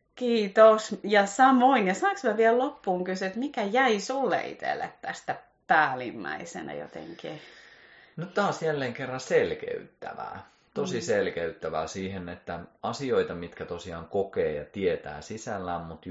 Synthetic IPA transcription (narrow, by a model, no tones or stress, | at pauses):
kiːt̪osjɑsɑmoinjɑsɑːksmæʋiællopːuːŋkyset̪mikæjæisulːḛḭt̪ḛlːḛt̪t̪æst̪æ | pæːlimːæ̰isḛnæ̰jo̰t̪ḛŋki | nyt̪t̪ɑːsjælːeːŋkerːɑnselkḛyt̪ːæ̰ʋæ̰ː | t̪osiselkeyt̪ːæʋæːsiːhenet̪ːæɑsioit̪ɑmit̪kæt̪osiɑ̰ːŋkokeːjɑ̰t̪iet̪æ̰ːsisælːæːmmut̪